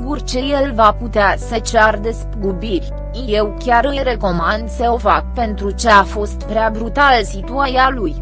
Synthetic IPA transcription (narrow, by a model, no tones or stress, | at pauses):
ɡurt͡ʃe̞je̞lvaput̪easet͡ʃeard̪e̞spɡubirʲ | ije̞wkʲaɾɨɾe̞ko̞mand̪səo̞fak̚pe̞nt̪ɾut͡ʃeafo̞st̪pɾeabɾut̪alsit̪uajaluj